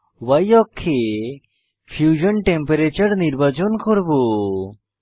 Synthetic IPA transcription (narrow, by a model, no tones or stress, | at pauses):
wɐjɔkʰːe | pʰjud͡ʒənʈẽmpeɾet͡ʃəɾniɾbat͡ʃɔnkɔɾbo